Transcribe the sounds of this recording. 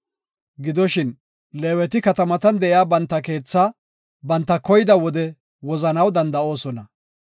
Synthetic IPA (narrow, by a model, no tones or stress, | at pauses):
ɡɪd̪ɔʃɪn | leːwɛt̪ɪkɐt̪ɐmɐt̪ɐnd̪ɛʔɪjaːbɐnt̪ːɐke̞ːt͡sːa | bɐnt̪ːɐkɔjɪd̪ɐwɔd̪ɛ | wɔzɐnɐwd̪ɐnd̪ɐo̞ːsɔnɐ